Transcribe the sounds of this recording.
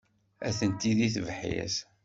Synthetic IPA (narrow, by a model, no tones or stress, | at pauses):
æθənt̪iðiθvħjæ̰s